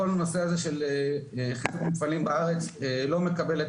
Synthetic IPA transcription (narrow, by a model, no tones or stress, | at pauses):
o̞lano̞seaze̞ʃeleχizukmutfalimbaaʁe̞t͡selo̞mekabe̞let